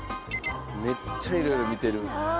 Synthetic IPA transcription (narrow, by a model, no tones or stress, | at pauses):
met͡sʰʌjɾoɾomit̪eɾu